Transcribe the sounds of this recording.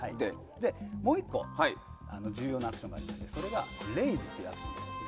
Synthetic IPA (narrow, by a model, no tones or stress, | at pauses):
ai | d̪e̞mo̞ːikːo̞̰haiano̞d͡ʑɨːjo̞ːnakɯ̟ɕoŋɡa̰ɾʲimaɕi̥t̪e̞so̞ɾe̞ɡaɾe̞izɨt̪ːojɯa̰t̪ɯɕond̪e̞sɨ